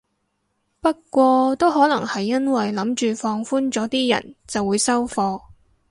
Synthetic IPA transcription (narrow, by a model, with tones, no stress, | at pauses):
pɐ˥t̚kʷɔː˧t̪o˥wɦɔː˨˥lɐ˨˩ŋhɐ˨jːɐ˥nwɐ˨jlɐ˨˥mt͡ʃyː˨fɔː˧ŋfuː˥nt͡sɔː˨˥t̪iː˥jɐ̰˨˩nt͡sɐ˨wːuː˨˧jsɐ˥wfɔː˧